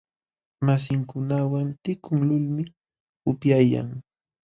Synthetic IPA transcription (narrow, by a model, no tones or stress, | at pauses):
mas̬ɪŋkʊnawant̪ɪkʰʊŋlʊlmɪ | ʊpjaja̰ŋ